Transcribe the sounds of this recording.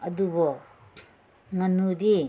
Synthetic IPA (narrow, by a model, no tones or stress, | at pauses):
ɐdubɔ | ŋɐnudi